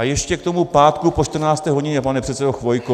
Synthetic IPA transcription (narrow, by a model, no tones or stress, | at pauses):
ajɛʃcɛkt̪o̞mupaːt̪kupo̞t͡ʃt̪r̩naːt͡st̪ɛːɦoɟɪɲɛpanɛpr̥ɛt̪sɛdoxvo̞jko